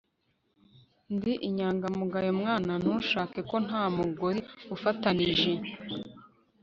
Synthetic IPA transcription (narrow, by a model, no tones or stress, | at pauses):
ndiʔiɲaːŋɡamuɡajomŋaːnan̥uːnʃaːke̞ko̞n̥aːmuɡoɾiufataniʒe